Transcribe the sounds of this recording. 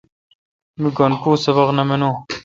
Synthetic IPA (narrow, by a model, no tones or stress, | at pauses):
miɡɐnkuːsɐβɐqnɐmenõː